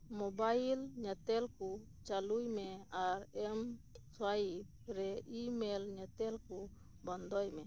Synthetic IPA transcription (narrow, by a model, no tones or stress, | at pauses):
mobailɲɛt̪ɛlku | t͡ʃalujmeaɾɛmswaib̚ | ɾɛimelɲɛt̪ɛlku | bɔnd̪ɔjmɛ